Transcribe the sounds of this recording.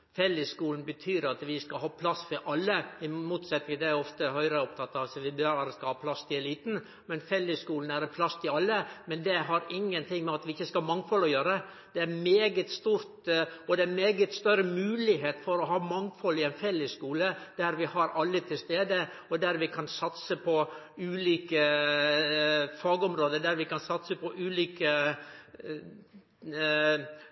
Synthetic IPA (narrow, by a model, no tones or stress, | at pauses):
fɛlːəskuːln̩bət̪ʰyːɾɑt̪ʋɪskɑlɦɑːpʰlɑsːfɔɾʔɑlːəɪmuːt̪sɛt̪nɪŋd̪ɛæɾɔft̪əhœʏɾəɔp̚t̪ʰɑt̪ːɑʋsɔʋɪbɾɑɾəskɑlhɑːpʰlɑst̪ʰɪɛliːt̪n̩ | mɛnfɛlːəskuːln̩æɾɛnpʰlɑst̪ʰɪɑlːəmɛnd̪ɛɦɑɾɪŋːənt̪ʰɪŋmɛɑt̪ʋɪɪçːəskɑmɑŋfɔlɔjøːɾəə | d̪̥ɛæɾmeːɡət̪st̪uːɾt̪ɔd̪ɛæmeːɡət̪st̪œɾəmʉːlɪɦeːt̪fɔɾɔɦɑːmɑŋfɔlɪɛnfɛlːəskuːləd̪̥æɾʋɪhɑɾɑlːət̪ʰɪlst̪eːd̪ə | ɔd̪æɾʋɪkʰɑnsɑt̪səpʰɔ | ʉːliːkə | fɑːɡɔmɾoːd̪əd̪æɾʋɪkɑnsɑt̪səpɔʔʉːliːkə